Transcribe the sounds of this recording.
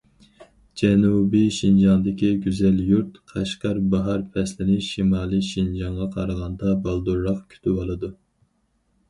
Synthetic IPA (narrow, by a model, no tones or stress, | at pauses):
d͡ʒɛnubiʃind͡ʒɑŋd̪ɪkʲiɡʲyzɛljuɾt̪qʰɑʃqɑɾbɑɦɑɾpʰɛslɪnɪʃimɑːlˠɨʃind͡ʒɑŋʁɑqʰɑɾəʁɑnd̪ɑbɑlˠd̪uɾːɑχkʲʰy̥t̪ʰybɑlˠɨd̪u